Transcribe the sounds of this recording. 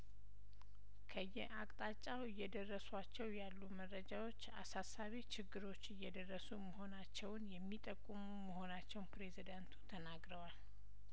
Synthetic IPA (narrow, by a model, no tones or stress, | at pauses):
kʰəjɛ̰ʔakʼt̪ʼat͡ʃʼːawɪjːɛd̪ərːəswat͡ʃːɛwjalːumərːəd͡ʒawo̞t͡ʃːa̰sasːaβit͡ʃʰɪɡːɨɾo̞t͡ʃːɨjːɛd̪ərːəsuməɦo̞nat͡ʃːɛwnjɛmːit̪ʼəkʼːumuməɦo̞nat͡ʃːɛwnpɾe̞zid̪ant̪ʰu̥t̪ʰənaɡɾəwal